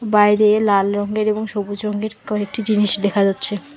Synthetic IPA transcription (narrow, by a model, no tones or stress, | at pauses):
bajɾelalɾɔŋɡeɾeboŋʃobud͡ʑɾɔŋɡeɾkɔnek̚ʈid͡ʑiniʃd̪ekʰad͡ʑatːɕʰe